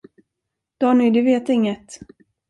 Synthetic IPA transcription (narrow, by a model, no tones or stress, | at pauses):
d̪̥ɑːnʏd̪ɪveːt̪ɪŋːət̪